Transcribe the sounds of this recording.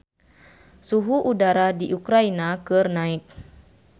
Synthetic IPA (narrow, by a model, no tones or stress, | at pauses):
suɦuʔudaɾadiʔukɾainakɨrnaik̚